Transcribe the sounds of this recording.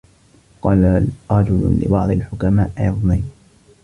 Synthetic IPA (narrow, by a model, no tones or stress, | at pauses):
qɑːlaɾˤɑd͡ʒʊlʊ̰lɪ̰bɑʕd̪ˤɪlħʊkamaːʔʔa̰ʕðˤnajn